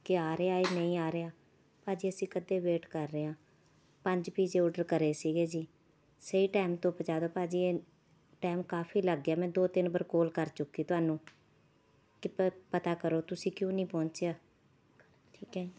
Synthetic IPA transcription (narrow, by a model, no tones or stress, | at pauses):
kɪaːɾeaːeːnəĩːaːɾeaː | paːd͡ʒiːəsĩːkəd̪eːʋeːʈkəɾːəːãː | pəɲd͡ʒpiːd͡ʒeːɔːɖəɾkəɾeːsiːɡeːd͡ʒiː | səiːʈaːmt̪õːpəd͡ʒaːd̪oːpaːd͡ʒiːeː | ʈaːmkaːpʰiːləɡːeaːmɛ̃ːd̪oːt̪ɪnbəɾkoːlkəɾt͡ʃʊkːiːt̪ʊaːnũː | kɪpət̪aːkəɾoːt̪ʊsĩːkjõːnĩːpɔ̃ːɲt͡ʃeaː | ʈʰiːkɛi